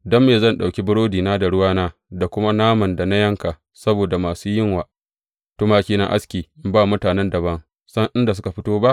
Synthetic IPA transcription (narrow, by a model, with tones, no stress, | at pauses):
dɔ˦mːeː˨zɐ˦˨nɗa˨wkʲi˦bʊ˦ɽoː˦diː˨naː˦da˨ɽʊ˦waː˦naː˦da˨kʷʊ˦ma˦naː˦mɐ˨nda˨na˦jɐ˦ŋka˨ | sɐ˦boː˨da˨maː˨suː˦jɪ˦ŋwaː˨ | tʊ˦maː˦kʲiː˦na̰˦ʔa˦skʲiː˨ʔɪ˦mbaː˦mʊ˦taː˨nɛ˦ndɐ˨βɐ˦ŋ | sɐ˦ŋʔɪ˦nda˨s̬ʊ˦ka˨ɸɪ˦toː˦ba˦ʔ